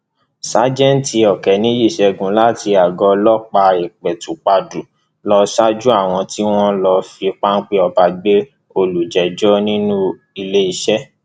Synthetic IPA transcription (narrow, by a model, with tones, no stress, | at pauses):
sa˨˦d͡ʒɛ̃˦n˨˦ti˧ɔ˨kɛ˨nĩ˨˦ji˦˨ʃɛ˧ɡũ˨˦la˦ti˧a˨ɡɔ˧˦lɔ˦k͡pa˧i˨k͡pɛ˨tu˨k͡pa˧du˨ | lɔ˧sa˦d͡ʒu˦a˦˨w̃ɔ̃˧ti˦w̃ɔ̃˦lɔ˧fi˧k͡pa˦n̩˦k͡pe˦ɔ˧ba˧ɡ͡be˦ | o˧lu˨d͡ʒɛ˨d͡ʒɔ˦nĩ˦nũ˦ | i˧le˦i˧ʃɛ˦